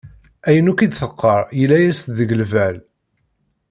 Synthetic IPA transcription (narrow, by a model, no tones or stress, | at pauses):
æjənukid̪θəqːəɾˤjəlːæjæst̪ðəɡəlvæl